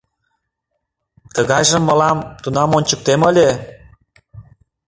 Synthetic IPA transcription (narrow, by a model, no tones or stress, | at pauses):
t̪əɣɑjʒə̆mːɤ̆lɑmt̪unɑmonʲt͡ɕə̆k̚t̪emɤ̆lʲe